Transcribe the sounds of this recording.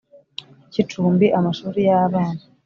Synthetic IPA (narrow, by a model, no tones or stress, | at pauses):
cituːmbiʔamaʃuːɾijaβaːna